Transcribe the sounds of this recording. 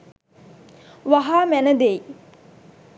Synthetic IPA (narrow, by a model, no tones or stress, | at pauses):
ʋaɦaːmænəd̪ej